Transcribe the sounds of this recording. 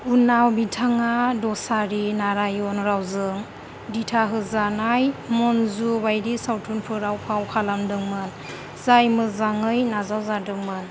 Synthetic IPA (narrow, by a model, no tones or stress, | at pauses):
unawbitʰaŋadɔsaɾinaɾajɔnɾawzɯŋ | ditʰaɦɯzanajmɔnzubajɾisawtʰunpʰɯɾawpʰawkʰalamdɯŋmɯn | z̥ajmɯzaŋɯjnazawzadɯŋmɯn